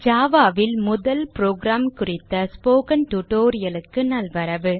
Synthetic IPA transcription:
d͡ʒaːʋaːʋɪlmʊðɐlpɾoːɡɾaːmkʊrɪt̪ːɐspoːkɐnʈʊʈoːɾɪjɐlɯkːɯnɐlʋɐɾɐʋɯ

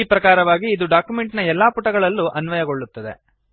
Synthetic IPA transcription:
ipɾɐkaːɾɐʋaːɡiːd̪uɖaːkjumeɳʈnɐɛlːaːpuʈɐɡɐɭɐlːuʔɐnʋɐjɐɡo̞ɭːut̪ːɐd̪e̞̰

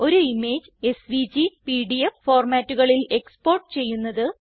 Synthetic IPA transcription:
o̞ɾuime̞ːd͡ʑɨe̞sʋid͡ʑipiːɖijeffo̞ːrmaːtːuɣɐɭile̞kspoːrʈːɨ̥t͡ɕe̞jːunːɐðɨ

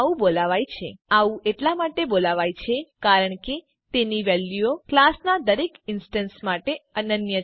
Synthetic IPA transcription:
ũbolaʋajt͡ʃʰeaũeʈlamaʈebolaʋajt͡ʃʰekaɾəɳke | t̪eniʋɛljuoklasnad̪əɾekɪnsʈənsmaʈeənənjə

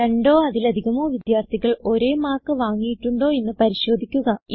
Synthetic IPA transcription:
eɳɖo̞ːɐðilɐd̪ʱiɣɐmo̞ːʋid̪jaːrt̪ʰiɣɐɭo̞ɾe̞ːmaːrkːɨʋaːŋːijiʈːuɳɖo̞ːenːɨpɐɾiɕo̞ːd̪ʱikʲːuɣɐi

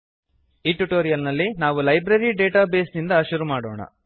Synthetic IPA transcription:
iːʈuʈoːɾijɐlnɐlːinaːʋulɐjbɾɐɾiɖe̞ːʈaːbe̞ːsnind̪ɐʃuɾumaːɽo̰ːɳɐ̰

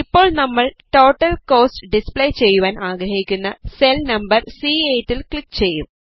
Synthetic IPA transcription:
ipːo̞ːɭnɐmːɐɭʈo̞ːʈːɐlko̞ːsʈɖispɭe̞jt͡ɕe̞jːuʋaːnʔaːɡɾɐhikʲːunːɐselnɐmbɐrsiːeːtːilkɭikːt͡ɕe̞jːum

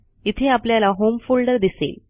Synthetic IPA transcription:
it̪ʰeapljalaɦomfulɖəɾd̪isḛl

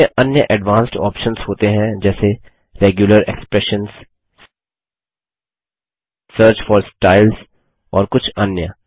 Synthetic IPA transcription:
əʔɐnjəʔɛɖʋãːnsʈɔ̰ːpʃə̃nzhoːt̪eɦɛ̃d͡ʒɛːse | ɾeːɡjʊləɾḛkspɾɛʃə̃nz | səːɾt͡ʃfɔːɾsʈaːɪlz | ɔːɾkʊt͡ʃʰɐnjə

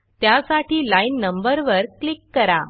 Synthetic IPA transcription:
t̪jasaʈiːlainːəmbəɾʋəɾklikːəɾa

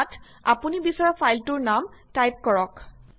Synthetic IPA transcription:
t | a̰punibisaɹɔpʰajltʊɹnamtajp̚kɔɹɔk

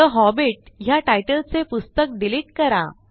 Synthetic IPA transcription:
əɦɔbiʈ̚ɦjaʈajʈəlt͡sepust̪ək̚ɖiliʈkəɾa̰

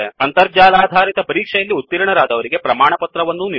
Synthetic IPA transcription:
eɐnt̪ɐɾd͡ʒaːlaːd̪ʱaːɾit̪ɐpɐɾiːkʂɛjɐlːiut̪ːiɾɐɳɐɾaːd̪ɐʋɐɾiɡe̞pɾɐmaːɳɐpɐt̪ɾɐʋɐnːuni

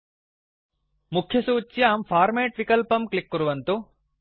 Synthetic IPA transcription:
mukʰjɐsuːt͡ʃːjaːmpʰaːɾmeːʈʋikɐlpɐmklikːuɾuʋɐnt̪u

